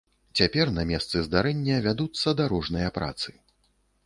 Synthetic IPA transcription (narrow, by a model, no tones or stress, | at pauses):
t͡sʲapʲɛrnɐmʲɛst̪sɨzd̪aɾɛnʲːɐvʲad̪ut̪sːɐd̪aɾɔʐnɐjɐpɾa̰t̪sɨ̥